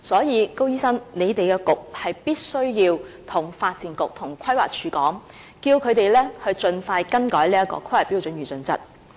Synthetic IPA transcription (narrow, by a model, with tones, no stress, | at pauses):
sɔː˨˥jiː˨˧ko˥wjiː˥sɐ˥ŋne˨˧jt̪e˨jkɛː˧kʊ˨k̚hɐ˨jpiː˥t̚sɵ˥ɥjiː˧wt̪ʰʊ˨˩ŋfaː˧t̚t͡siː˨˩nkʊ˨k̚t̪ʰʊ˨˩ŋkʷʰɐ˥jwa̰ː˨k̚t͡ʃʰyː˨˧˥kɔː˨˥ŋ | kiː˧wkʰɵ˨˧ɥt̪e˨jlɛː˥hɵ˧ɥt͡sɵ˧nfaː˧jkɐ˥nkɔː˨˥jliː˥ɐ˥kɔ̰ː˧kʰɐ˥jwaː˨˩pi˥wt͡sɵ˨˥nɥyː˨˩t͡sɵ˨˥nt͡sɐ̰˥t̚